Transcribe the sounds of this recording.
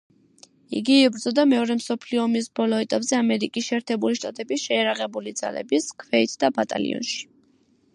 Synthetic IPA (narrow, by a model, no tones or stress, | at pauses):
ḭɡiibɾd̪zɔd̪amɛɔɾɛmsɔpʰliɔːmisbɔlɔɛt̪ʼapʼzɛamɛɾikʼisʃɛːɾt̪ʰɛbuliʃt̪ʼat̪ʼɛbisʃɛjaɾaʁɛbulid̪z̥a̰lɛ̰biskʰvɛit̪ʰd̪abat̪ʼa̰lḭɔ̰nʃi̥